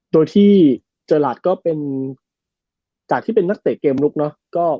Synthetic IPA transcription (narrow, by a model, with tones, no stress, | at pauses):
doː˧jt̪ʰiː˥˩ | t͡ɕɤː˧laː˨˩t̪̚kɔː˥˩pe˧n | t͡ɕaː˨˩k̚t̪ʰiː˥˩pe˧nːa˦˥k̚t̪eː˨˩kkːeː˧mɾu˦˥k̚nɔ˦˥kɔː˥˩